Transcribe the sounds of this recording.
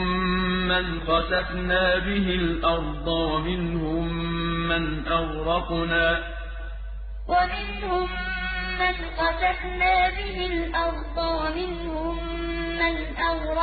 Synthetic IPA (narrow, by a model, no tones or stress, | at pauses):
anqɑsafnaːbɪɦɪlʔɑɾˤd̪ˤɑwamɪnhʊmːanʔawɾˤɑqnaː | wamɪnhʊmː | anqɑsafnaːbɪɦɪlʔɑɾˤd̪ˤɑwamɪn | hʊmː | an | ʔawɾˤɑ